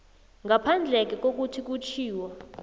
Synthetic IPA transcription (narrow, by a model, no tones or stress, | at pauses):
ŋɡapʰand͡ɮʱɛk̬ɛk̬ok̬utʰik̬ut͡ʃʰiːwɔ